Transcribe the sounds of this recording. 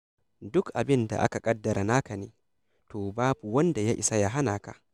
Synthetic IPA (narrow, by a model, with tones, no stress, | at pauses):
dʊ˦kʔa˨bɪ˦nda̰˨ʔa̰˦ka˨kʼɐ˦dːɐ˨ɾʔa˨naː˦ka˨neː˦ | toː˨baː˦bu˨wɐ˦nda˨ja˦ʔɪ˨sa˦ja˦ɦa˦naː˨ka̰˦ʔ